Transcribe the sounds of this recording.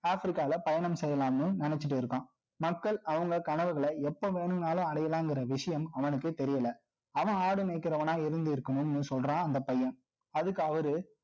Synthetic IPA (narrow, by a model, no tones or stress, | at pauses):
aːfɾɪkːaːlɐpɐjɐnɐmsɛjːɐlaːmɯnɪnɛt͡ʃːɪʈːɯɪɾɯkːãː | mɐkːɐɭɐʋɐŋɡɐkɐɳɐʋɯɣɐɭɐɛpːoːʋeːɳɯmnaːlɯ̃ɐɽɐjɐlãːɛŋɡɪɾɐʋɪʂɐjɐmɐʋɐnɯkːɯt̪ɛɾɪjɐlɐ | ɐʋɐ̃aːɽɯneːkːɪɾɐʋɐnaːɪɾɯnd̪ɯɪɾɯkːɐnɯnːɯsɔlrãːɐnd̪ɐpɐjːɐn | ɐðɯkːɯɐʋɐɾɯ